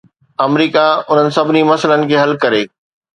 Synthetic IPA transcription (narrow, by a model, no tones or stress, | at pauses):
ɐmɾiːkaʊn̤ənɪ̆sɐbʱɪnimɐsələnɪ̆kʰeːɦɐlkɐɾeː